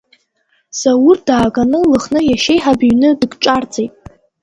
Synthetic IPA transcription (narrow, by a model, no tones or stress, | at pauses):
sawurd̥aːɡanɨlɨχnɨjaʃe̞jħabɥnɨdɨɡʈ͡ʂʼard͡zʼejtʼ